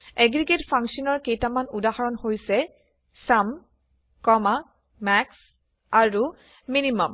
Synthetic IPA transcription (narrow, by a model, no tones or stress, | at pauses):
eɡɹiɡetpʰaŋksɔnɔɹkejtamanudahɔɹɔnhojsɛ | sam | kɔma | mɛks | aɹu | minimɔm